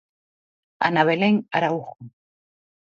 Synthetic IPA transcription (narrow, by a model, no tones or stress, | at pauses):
a̰naβeleŋaɾauχu